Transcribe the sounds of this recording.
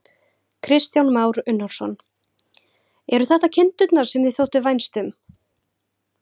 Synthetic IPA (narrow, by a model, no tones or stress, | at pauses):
kʰɾɪst̪jawnmaːwɾʏnːansɔn | ɛɾʏθaht̪acʰɪnt̪ʏt̪naɾ̥sɛmðɪθjowht̪ɪvajnst̪ʏm